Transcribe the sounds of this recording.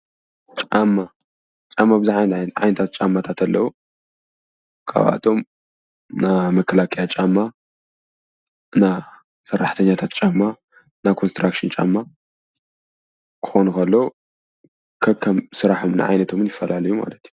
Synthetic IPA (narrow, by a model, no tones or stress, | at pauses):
t͡ʃʼamːa | t͡ʃʼamːabɨziʕajnʕa̰jnɐt̪ʰat̪̚t͡ʃʼamːat̪ʰat̪ʰɐlːɐwu | kʰa̰βa̰t̪ʰo̞m | namɐkʰɐlakʼijat͡ʃʼamːa | na | sɐrːaħt̪ʰɐɲːat̪ʰat̪̚t͡ʃʼamːa | nakʰo̞nst̪ɾakʃɨnt͡ʃʼa̰mːa | kʰɨ̥xonukɐlːɐ | kʰɐkʰːɐmsɨɾaħomna̰ʕa̰jnɐt̪ʰo̞mɨnjɪfːɐlʔalɐjuma̰lɐt̪ju̥